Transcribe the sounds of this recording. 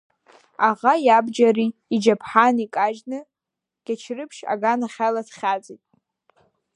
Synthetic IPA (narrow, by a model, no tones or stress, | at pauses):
aʁajabd͡ʒariːd͡ʒapʰħanikʼaʒnɨ | ɡ̥ʲat͡ʃʰrɨpʰʃa̰ɡanaχʲalatχʲat͡sʼitʼ